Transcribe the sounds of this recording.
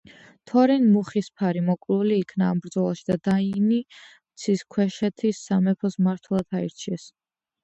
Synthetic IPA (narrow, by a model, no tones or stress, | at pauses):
t̪ʰɔɾinmuχispʰaɾimɔkʼluliːkʰnaːmbɾd̪zɔlˠaʃid̪ad̪aini | mt̪sʰiskʰwɛʃɛt̪ʰisːamɛpʰɔsmaɾt̪ʰwlˠad̪ʰaḭɾt͡ʃʰiɛs